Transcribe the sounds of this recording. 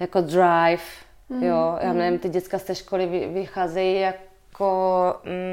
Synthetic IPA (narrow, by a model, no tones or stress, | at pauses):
jakodɾajf | jojʔa̰ːmnɛvɪmt̪ɪɟɛtt͡sskast̪ɛʃkolɪvɪvɪxaːzɛjijakkʰ | o